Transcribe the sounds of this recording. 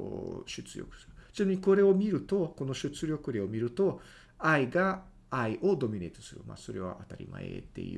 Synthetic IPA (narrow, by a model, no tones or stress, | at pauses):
ɕɨt͡sɨɾʲo̞̰kɯ̥sɨ̥ɾɯsenoɲ̟iko̞ɾe̞o̞mʲiɾɯ̟t̪o̞ko̞noɕɨt͡sɨɾʲjo̞kɯ̟ɾʲeo̞mʲiɾɯ̟t̪o̞ | aiɡaː | iʔo̞d̪o̞mʲine̞t̪o̥sɨɾɯ̰ma̰so̞ɾe̞βa̰ʔat̪aɾʲḭmʔa̰ḛt̪ːḛiɯ̰